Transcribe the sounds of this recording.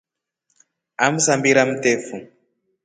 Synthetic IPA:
am̩sambiɾam̩tɛfu

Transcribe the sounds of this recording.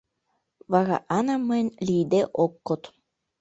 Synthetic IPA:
vaɣa̰ʔanamənʲlʲiːd̪eʔokːot̪

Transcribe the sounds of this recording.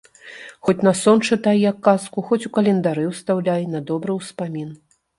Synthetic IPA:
xɔt͡sʲnɐsɔnt͡ʂɨt̪ajjakːaskuxɔt͡sʲukɐlʲɛnd̪aɾɨwst̪awlʲajnɐd̪ɔbɾɨwspamʲin

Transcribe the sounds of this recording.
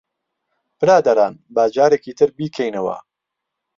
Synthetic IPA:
pɨɾaːd̪ɐɾaːnbaːd͡ʒaːɾekiːt̪ʰɨɾbiːkʰɛjnɐwɐ̰

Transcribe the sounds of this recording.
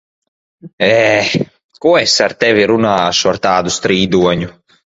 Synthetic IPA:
ɛ | kuɛsaɾt̪ɛviɾunaːʃuaɾt̪aːd̪ust̪ɾiːd̪uɔɲu

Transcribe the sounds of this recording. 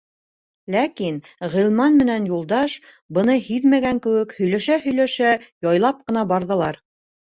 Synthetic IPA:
lækin | ʁĭlˠmɑnmɘ̆nænjulˠd̪ɑʃ | bɤ̆nɤhiðmæɡæŋkɘ̆wɘkhɵ̆jlæʃæhɵ̆jlæʃæjɑjlˠɑp̚qɤ̆nɑbɑɾðɤ̆lˠɑɾ

